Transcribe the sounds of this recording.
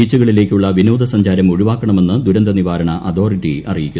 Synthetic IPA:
iːt͡ɕːuɣɐɭile̞ːkʲːuɭːɐʋinoːd̪ɐsɐɲd͡ʑaːɾɐmoɻiʋaːkːɐɳɐme̞nːɨd̪ʱuɾɐnd̪ɐniʋaːɾɐɳɐʔɐd̪o̞ːriʈːiʔɐ̰rijikʲːu

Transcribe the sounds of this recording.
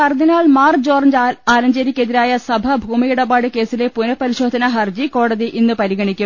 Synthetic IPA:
ɐrd̪inaːɭmaːrd͡ʑoːrnd͡ʑaːlɐɲd͡ʑɐɾikʲːeðiɾaːjɐsɐbʱɐbʱuːmijiɽɐbaːɽɨke̞ːsile̞punɐpːɐɾiɕo̞ːd̪ʱɐnɐɦɐrd͡ʑiko̞ːɽɐðiʔinːɨpɐɾiɣɐɳikʲːu

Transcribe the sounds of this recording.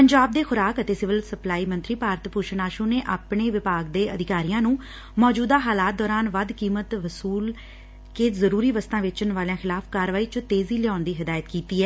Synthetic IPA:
pəɲd͡ʒaːb̚d̪eːxʊɾaːkət̪eːsɪʋəlsəplaːiːmə̃nt̪ɾiːpaːɾt̪puːʃnaːʃũːneːʔaːpɳeːʋɪpaːɡd̪eːʔəd̪ɪkaːɾijãːnũː | mɔːd͡ʒuːd̪aːɦaːlaːt̪̚d̪ɔːɾaːnʋəd̪kiːmət̪ʋəsuːl | keːzəɾuːɾiːʋəst̪ãːʋɪt͡ʃʊnʋaːlãːxɪlaːfkaːɾʋaːiːt͡ʃət̪eːziːlɪaːnd̪iːɦɪd̪aːjət̪kiːt̪iːɛː

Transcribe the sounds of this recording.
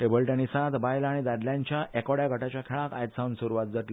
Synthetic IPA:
ʈebəlʈenisãt̪bajlaɽ̃id̪ad̪ljaɲt͡ɕjaʔɛkɔɽjaɡʱəʈat͡ɕjakʰeɭãka̰jd̪saunsuɾuʋat̪̚d͡zəʈ

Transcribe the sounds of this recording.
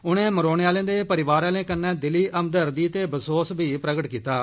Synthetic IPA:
ʊnẽːməɾoːñeːaːlẽːd̪eːpəɾɪʋaːɾaːlẽːkənːɛ̃ːd̪ɪliːəmd̪əɾd̪iːt̪eːbəsoːsbiːpɾəɡəʈkiːt̪aː

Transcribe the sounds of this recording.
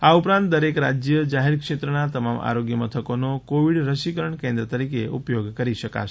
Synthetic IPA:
aupɾãnt̪d̪əɾekɾa̰d͡ʒjəd͡ʒaɦeɾkʃet̪ɾənat̪əmamʔa̰ɾoɡjəmət̪ʰəkonokoʋiɽɾəʃikəɾəɳkẽnd̪ɾət̪əɾikeupjoɡkəɾiʃəka̰ʃʰe

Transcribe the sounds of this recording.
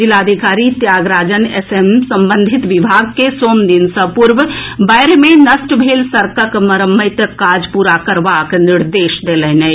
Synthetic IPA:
d͡ʒilad̪ʱikaɾit̪jaːɡɾaːd͡ʒənesemsəmbənd̪ʱit̪ʋibʱaɡkesoːmd̪insə̃puɾʋbaɪɾemenəsʈbʱeːlsəɾkəkməɾəmːəɪt̪kad͡ʒpuɾakəɾʋakniɾd̪eːʃd̪eləɦnɛ

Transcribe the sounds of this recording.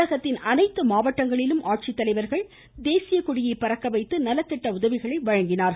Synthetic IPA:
ɐɣɐt̪ːɪnɐnɐɪt̪ːɯmaːʋɐʈːɐŋɡɐɭɪlɯmʔaːʈ̚t͡ʃɪt̪ːɐlɐɪʋɐɾɣɐɭ | d̪eːsɪjɐkʊɽɪjeɪpɐɾɐkːɐʋɐɪt̪ːɯnɐlːɐt̪ːɪʈːɐʊðɐʋɪɣɐɭɐɪʋɐɻɐŋɡɪnaːɾ

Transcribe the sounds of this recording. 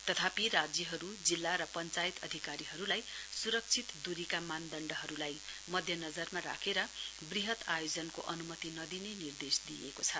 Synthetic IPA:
t̪ʌt̪ʰapiɾad͡zjʌɦʌɾud͡zilːaɾʌpʌnt͡sajit̪ʌd̪ʱikaɾiɦʌɾulajsuɾʌk̚t͡sʰit̪d̪uɾikamand̪ʌɳɖʌɦʌɾulaj | mʌd̪ʱjʌnʌd͡zʌrmaɾa̰kʰeɾʌbriɦʌt̪ajod͡zʌnkoʔʌnumʌt̪inʌd̪inenird̪esd̪ijḛkot͡sʰʌ

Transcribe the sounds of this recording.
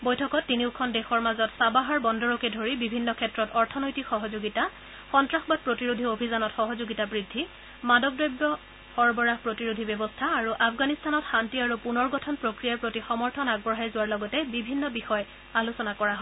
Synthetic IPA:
bojtʰɔkɔtːiniʊkʰɔndɛxɔɹmazɔtsabaɦaɹbɔndɔɹɔkɛdʱoɹibibʱinːɔkʰɛtɹɔtɔɹtʰɔnɔjtikxɔɦɔzoɡita | xɔntɹaxbad̚pɹotiɹudʱiobʱizanɔtxɔɦɔzoɡitabɹidʱːi | madɔk̚dɔjbːɔ | hɔɹbɔɹahpɹotiɹudʱibɛbɔstʰaːɹuʔafɡanistʰanɔtxantiaɹupunɔɹɡɔtʰɔnpɹokɹijaɹpɹotixɔmɔɹtʰɔnaɡ̚bɔɹɦajzʊwaɹlɔɡɔtɛbibʱinːɔbixɔj | alusɔnakɔɹaɦɔ

